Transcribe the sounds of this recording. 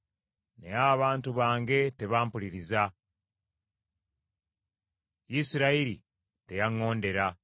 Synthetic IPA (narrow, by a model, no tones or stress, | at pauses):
ne̞̰jaβaːntuβaːŋɡe̞te̞βaːmpuliɾiza | jisiɾaiɾi | te̞jaŋːo̞ːnde̞ɾa